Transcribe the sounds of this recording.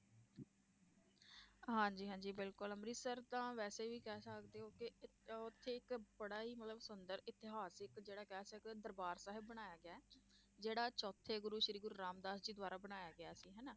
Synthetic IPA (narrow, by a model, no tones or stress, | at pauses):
ɦãːɲd͡ʒiːɦãːɲd͡ʒiːbɪlkʊləmɾiːsəɾt̪ãːʋɛːseːʋiːkɛːsəkd̪eːɦoːkɪʊt̪ʰːeːɪkbəɽaːiːmət̪ləbsʊnd̪əɾɪt̪ɪɦaːsɪkd͡ʒeːɽaːkɛːsəkd̪ɛːd̪əɾbaːɾsaːɦɪbbəɽ̃aːjaːɡɪaːɛː | d͡ʒeːɽaːt͡ʃɔːt̪ʰːeːɡʊɾuːʃɾiːɡʊɾuːɾaːmd̪aːsd͡ʒiːd̪ʋaːɾaːbəɽaːjaːɡɪjaːsiːɦɛːnaː